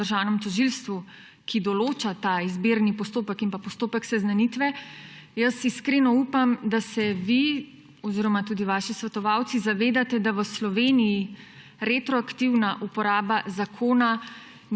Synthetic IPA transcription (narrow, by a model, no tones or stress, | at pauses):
əɾʒaːwnɛmt̪ɔʒilst̪ʋu | kʰid̪ɔloːt͡ʃat̪aizbiɾnipɔst̪oːpəkimpapɔst̪oːpəksɛznanit̪ʋɛjəsiskɾenɔuːpamd̪asɛʋi | ɔziɾɔmat̪ud̪iʋaːʃisʋɛt̪ɔʋaw̪sizaʋeːd̪at̪ɛd̪aʋəslɔʋeːniji | ɾet̪ɾɔakt̪iwnaʔupɔɾaːbazakʰoːna